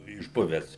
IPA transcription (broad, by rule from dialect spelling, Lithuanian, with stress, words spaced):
ɪʒˈbʊʋʲæːs